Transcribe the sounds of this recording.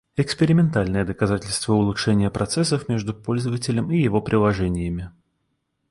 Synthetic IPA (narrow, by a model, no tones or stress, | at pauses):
ɪkspʲɪɾʲɪmʲɪnt̪alʲnəjəd̪əkɐzatʲɪlʲst̪vəʊlˠʊt̪ʂɛnʲɪjəpɾɐt̪sɛs̬ːəfmʲeʐd̪ʊpo̞lʲzəvətʲɪlʲəmijɪvo̞pɾʲʔɪlˠɐʐɛnʲɪjəmʲɪ